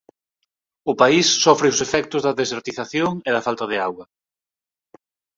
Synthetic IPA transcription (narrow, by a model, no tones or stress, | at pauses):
ʊpaisːɔfɾɪʊsefɛk̚t̪ʊzðɐðeseɾt̪iθaθjoŋeðɐfalt̪ɐðɪaɣwɐ